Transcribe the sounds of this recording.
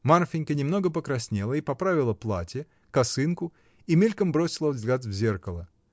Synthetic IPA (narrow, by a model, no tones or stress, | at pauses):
marfʲɪnʲkənʲɪmno̞ɡəpəkɾɐsʲnʲelˠəipɐpɾavʲɪlˠəplˠa̰tʲɪ | kɐsɨnkʊ | imʲilʲkəmbɾo̞sʲɪlˠəvzɡlʲat̪vzʲe̞rkəlˠə